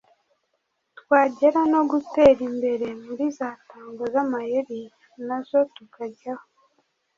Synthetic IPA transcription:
twaːɟe̞ɾano̞ɡute̞ːɾimbe̞ɾe̞muɾizaːtaːŋɡozamajeβi | nazo̞tukaɟaho

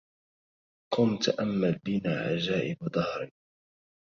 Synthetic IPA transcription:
qʊmt̪aʔamːalbɪnaːʕa̰d͡ʒaːʔɪbd̪ˤɑhɾɪ

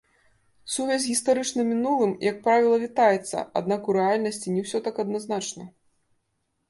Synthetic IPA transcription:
suvʲasʲɣʲist̪aɾɨt͡ʂnɐmʲinulˠɨmjɐk̚pɾavʲilˠɐvʲit̪ajɛt̪sːɐ̰a̰d̪nakuɾɛalʲnɐsʲt͡sʲinʲɛwsʲɔt̪akɐd̪naznat͡ʂnɐ

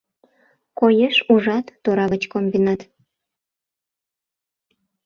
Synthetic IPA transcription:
kojeʃuʒɑt̪ːoɾɑβət͡ɕkombinɑt̪

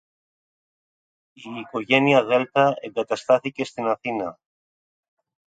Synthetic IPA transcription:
ikoʝenjaðelt̪aeɡat̪ast̪aθikest̪enaθina

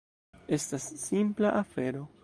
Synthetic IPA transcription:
e̞stasːimplaʔafe̞ɾo̞

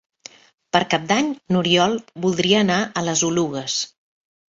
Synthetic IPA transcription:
pəɾkap̚d̪aɲnuɾiɔlˠbulˠd̪ɾiəːnaʔələzuluɣəs

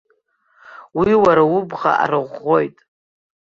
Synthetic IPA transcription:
wiwaɾaubʁa̰ʔa̰ɾɨʁo̞jtʼ

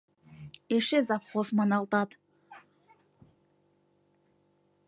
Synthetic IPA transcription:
eʃezɑpχosmɑnɑlˠt̪ɑd̪

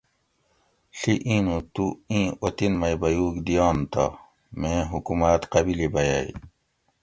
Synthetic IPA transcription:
ɬiʔĩːnũt̪uĩːʔot̪inmɐjbɐjuːkd̪ijɑːnt̪ɐ̰ | mẽːɦukumat̪qɐbilibɐja̰ḭ

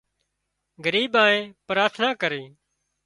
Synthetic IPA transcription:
ɡəɾiːɓãːẽːpɾaːɾt̪ʰnaːkəɾeː

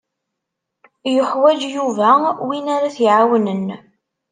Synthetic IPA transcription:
jʊħwæd͡ʒjuvæwinaɾaθjʕawənən

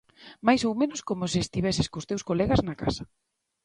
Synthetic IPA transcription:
majsowmẽnʊskomʊseest̪iβɛsɪskost̪ewskolɛɣɐznɐka̰sɐ

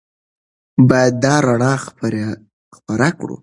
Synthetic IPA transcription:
bɑjad̪ːɑɾaɳɑ | xpaɾakɽṵ

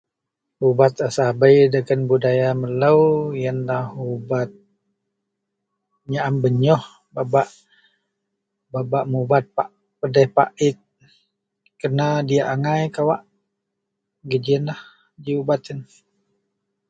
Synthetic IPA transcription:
ubat̪əsabəjdəɡənbudajamələwjənlahubat̪̚ | ɲaʔambəɲɔh | babaʔ | babaʔmubat̪̚paʔ | pədɛhpa̰ʔɪt̪̚ | kənadiaʔaŋajkawaʔ | ɡəd͡ʒiənlah | d͡ʒiubat̪ən

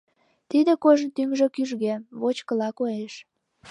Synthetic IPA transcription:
t̪id̪ĕkoʒənt̪yŋʒĕkyʒɣeβot͡ɕkə̆lɑkoeʃ

